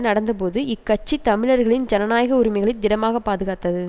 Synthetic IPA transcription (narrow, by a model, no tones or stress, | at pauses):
nɐɽɐnd̪ɐpoːðɯɪkːɐt͡ʃːit̪ɐmɪɻɐɾɣɐɭɪnd͡ʒɐnɐnaːjɐɣɐʊɾɪmɪɣɐɭɪd̪ɪnɐmaːɣɐpːaːðɯɣaːt̪ːɐðɯ